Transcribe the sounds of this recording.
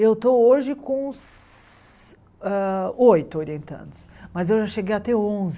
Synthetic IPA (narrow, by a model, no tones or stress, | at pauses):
ewt̪ooʒɪkõs | ɛojt̪ʊoɾiẽnt̪ɐ̰̃nd̪ʊs | mɐzewʒaʃeɡejat̪ɛõz